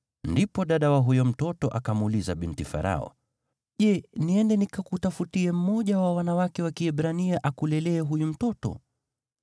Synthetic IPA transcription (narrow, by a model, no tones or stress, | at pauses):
ndipɔɗaɗawaɦujɔm̩tɔtɔʔakamulizaɓintifa̰ɾa̰ɔ̰ | ʄɛniɛndɛnikakutafutiɛm̩mɔʄawawanawakɛwakiɛɓɾaniaʔakulɛlɛːɦujum̩tɔtɔ̰